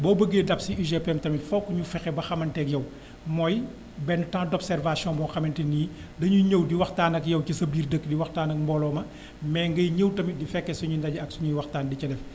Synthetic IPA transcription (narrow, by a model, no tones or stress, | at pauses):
bɔːbəɡeːdɐpsiiʒepɛmtɐmifɔkːuɲufɛxɛbɐxɐmɐntɛkjɐw | mɔːj | bɛnːtãːdɔpsɛrvasjɔ̃bɔːnxɐmɛntiniː | dɐɲuɲəwdiwɐxtaːnɐkjɐwcisɐbiːrdəkːdiwɐxtaːnɐk̚mbɔːlɔːmɐ | mɛŋɡɐjɲəwtɐmidifɛkːɛsuɲundɐɟɐɐksuɲujwɐxtaːndicɐdɛf